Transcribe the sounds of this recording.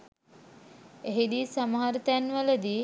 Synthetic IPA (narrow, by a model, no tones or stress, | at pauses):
eɦid̪iːsaməɦaɾət̪ænʋələd̪iː